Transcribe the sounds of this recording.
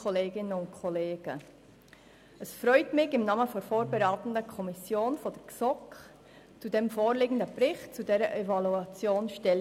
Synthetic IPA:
ɔleːɡɪnəʊntkʰɔleːɡ̥ə | əsfɾœʏtmɪçɪmnɑːməfɔfoːɾbɛɾaːtən̩dəkʰɔmɪsjoːnfɔd̥ɛksɔk | t͡sudemfoːɾleːɡn̩dəb̥ɾɪxtt͡sudɛːɾəʔɛvɑluɑt͡sjoːnʃtɛl

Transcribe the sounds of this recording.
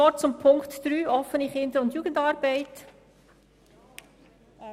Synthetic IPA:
ɔt͡sʊmpʰʊŋktd̥ɾyːʔɔfənɪχhɪndəʊntjuːɡ̥əndɑːɾbɛɪt

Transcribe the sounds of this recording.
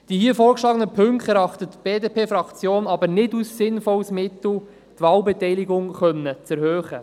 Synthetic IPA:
d̥ihiəfoːɾkʃlɑːɡənəpʰɵŋktɛɾɑχtətb̥eːdeːpeːfɾɑkt͡sjoːnɑbəɾnɪdusːɪnfɔlsmɪtl̩ | t̪vɑːlbɛtɛjlɪɡʊŋχœnːət͡sɛɾhøːχə

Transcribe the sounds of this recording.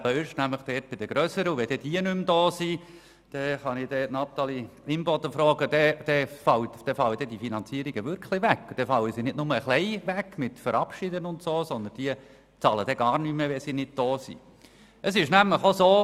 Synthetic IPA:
bəɪʃnæmləχd̥ɛːt̚b̥ɪd̥əɡ̥ɾœsəɾəuʋɛd̥̪ɛd̥iənʉmd̪ɔːsi | d̥ɛχɑnɪd̥ɛːtnɑt̪ɑliɪmbɔt̪əfɾɔːɡəd̪ɛd̥ɛfɑwtd̥ɛfɑlədɛdifinɑnt͡siːəɾiɡəʋʏɾkʰlɪʋækːd̥ɛfɑləsinɪdnʊməəχlɛɪʋækːmɪtfəɾʔɑpʃid̪ənʊntsoːsɔnd̪ənd̥iə | t͡sɑːləd̥̪ɛɡɑːɾnyməʋɛsinɪd̚d̥ɔːsḭ | ʔəsɪʃnæmləχosoː

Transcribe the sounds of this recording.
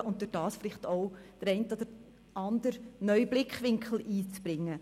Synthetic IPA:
ʔʊnt̚d̥øɾd̥ɑːsfɪlɪχtoʊd̥əɾɛɪntɔd̥̪əɾ | ʔɑnd̪əɾnœʏblɪkχʋɪŋkχl̩ʔiːt͡sb̥ɾɪŋːə

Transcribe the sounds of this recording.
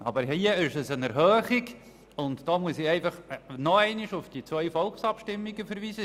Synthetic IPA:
ɑ̰bəɾiəɪʃɛsənɛɾɦœːχɪɡ | ʊntd̥ɑːmuəsiɛɪfɑχnɔɛɪniʃʊfd̥it͡sʋœʏfɔlˠksɑpʃtɪmːiɡəfəɾviːzə

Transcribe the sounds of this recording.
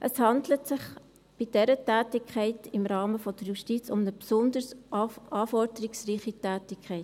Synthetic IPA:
ʔəshɑndlətsɪχ | b̥ɪd̥ɛɾətæːtɪkʰχɛɪtɪmɾɑːməfɔd̥əɾjuʃtit͡sʊmnəpsʊnd̪əɾsʔɑːfɔɾdəɾɪksriːχitæːtɪkʰχɛɪt

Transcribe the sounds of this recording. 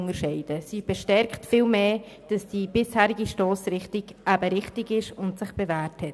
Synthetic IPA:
ŋəʃɛɪd̥əsib̥ɛʃtɛɾktfiːlmeː | d̥ɑsd̥ibɪshɛːɾɪɡiʃtɔːsɾɪχtɪɡʔabəɾɪχtɪɡɪʃʊntsɪχb̥ɛvɛːɾthɛt

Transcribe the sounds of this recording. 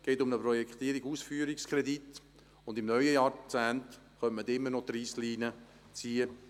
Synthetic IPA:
ɡ̥ɛːtʊmnəprɔjɛkχt̪iəɾiɡuːsfyːəɾikskʰɾɛd̪it̪ | ʊnd̪ɪmnœʏəjɑːɾt͡sæːnt | χœntməd̪ɪmːənɔt̪ɾiːsliːnə | t͡siːə

